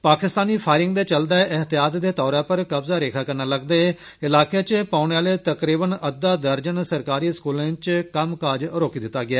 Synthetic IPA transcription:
paːkɪst̪aːniːpʰaːɪɾɪŋɡd̪eːt͡ʃəld̪aːeʔɪɦt̪ɪjaːt̪d̪eːt̪ɔːɾãːpəɾkəbzaːɾeːkʰaːkəɾnaːləɡd̪eːe | ɪlaːket͡ʃpaːʊneːaːleːt̪əkɾiːbənəd̪aːd̪əɾd͡ʒənsəɾkaːɾiːskuːlãːt͡ʃkəmkaːd͡ʒɾoːkiːd̪ɪt̪ːaːɡɪaː

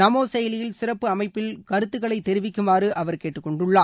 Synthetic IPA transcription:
nɐmoːsɛjɐlɪjɪlsɪrɐpːɯɐmɐɪpːɪlkɐɾɯt̪ːɯɣɐɭɐɪt̪ːɛɾɪʋɪkːɯmaːɾɯʔɐʋɐɾkeːʈːɯkːɔɳɖɯɭːaː

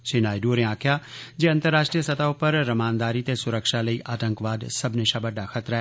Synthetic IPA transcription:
t͡ʃenaːjɖuːɾẽãːkʰjaːd͡ʒeːɐ̃nt̪əɾːaːʃʈɾijəsɐt̪aopɐɾːɐmaːnd̪aːɾit̪esʊɾəkʃalɐiʔaːʈ̪ə̃ŋkʋaːd̪sɐbneʃaːbəɖaxɐt̪ɾaɦɛ

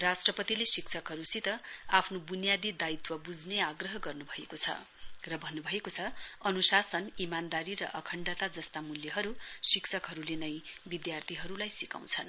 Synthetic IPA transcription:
rasʈrʌpʌt̪ilesiksʰʌkɦʌɾusit̪ʌapʰnobunjad̪id̪ait̪wʌbud͡zneaɡrʌɦʌɡʌrnubʱʌekot͡sʰʌ̰ | rʌbʱʌnːubʱʌekot͡sʰʌʌnusasʌnimand̪aɾirʌ̰ʔʌkʰʌɳɖat̪ad͡zʌst̪amuljʌɦʌɾusiksʰʌkɦʌɾulenʌjbid̪jart̪ʰiɦʌɾulajsikã̰w̃t͡sʰʌn

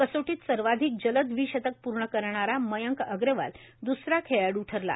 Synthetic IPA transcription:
kəsoʈiːt̪səɾʋad̪ʱik̚d͡ʑələd̪ʋiɕət̪ək̚puɾɳəkəɾɳaɾaməjəŋkəɡɾeʋa̰l | d̪usɾakʰejaɽuʈʰəɾla̰

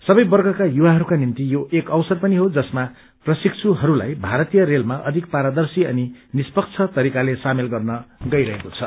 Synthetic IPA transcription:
sʌbʌjbʌrɡʌkajuwaɦʌɾukanint̪ijoʔekʌwsʌrpʌniɦod͡zʌsma | prʌsikt͡sʰuɦʌɾula̰jbʱaɾʌt̪ijʌɾelmaʔʌ̰d̪ʱik̚paɾad̪ʌrsiʌ̰ninispʌk̚t͡sʰʌt̪ʌɾikalesamelɡʌrnʌɡʌjɾʌɦekot͡sʰʌ

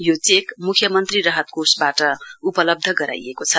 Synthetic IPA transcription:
jot͡sekmukʰjʌmʌnt̪rirʌɦʌt̪̚kosbaʈʌupʌlʌb̚d̪ʱʌɡʌɾa̰jekot͡sʰʌ

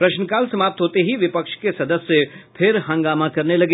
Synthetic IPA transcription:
pɾɐʃnəkaːlsɐmaːp̚t̪ɦoːt̪eɦiʋɪpəkʃkesɐd̪əsːepʰɪɾɦɐ̃ŋɡaːmakɐɾnelɐɡe

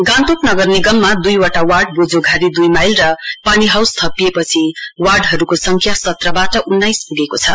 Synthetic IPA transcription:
ɡãnt̪oknʌɡʌrniɡʌmːad̪ujwaʈawarɖbod͡zoɡʱaɾid̪ujmajlrʌpaniɦawst̪ʰʌpijepʌt͡sʰiwarɖɦʌɾukosʌŋkʰjasʌt̪rʌbaʈʌʔunːajspuɡekot͡sʰʌ

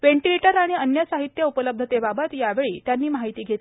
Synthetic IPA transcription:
ʋeɳʈileʈəɾaɽ̃iənjəsaɦit̪jəupələb̚d̪ʱət̪ebabət̪jaʋeɭiːt̪janːiːmaɦit̪iːɡʱet̪ː

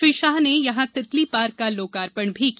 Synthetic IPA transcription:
iʃaːɦnejɐɦãt̪ɪt̪lipaːɾkaloːkaːɾpəɳbʱik

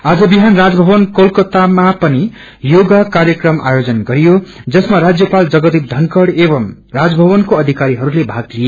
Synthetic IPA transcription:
ad͡zʌbiɦanrad͡zbʱʌbʌnkolkʌt̪amapʌni | joɡakaɾjʌkrʌmʔa̰jod͡zʌnɡʌɾijod͡zʌsmaɾad͡zjʌpald͡zʌɡʌd̪ip̚d̪ʱʌnkʌɽebʌm | rad͡zbʱʌβʌnkoʌd̪ʱikaɾiɦʌɾulebʱaɡ̚lije

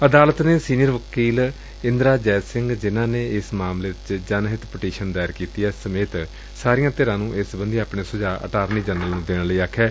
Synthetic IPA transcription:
əd̪aːlət̪neːsiːnijəɾʋəkiːl | ɪ̃nd̪ɾaːd͡ʒɛːsɪŋɡd͡ʒɪnãːneːɪsmaːmleːt͡ʃd͡ʒənɦɪt̪pəʈiːʃənd̪aːɪɾkiːt̪iːɛːsəmeːt̪ | saːɾɪjãːt̪eːɾãːnũːʔɪsbənd̪iːaːpɳeːsʊd͡ʒaːʔə̰ʈaːɾniːd͡ʒənʋəlnũːd̪eːɽləiːaːkʰːɛː

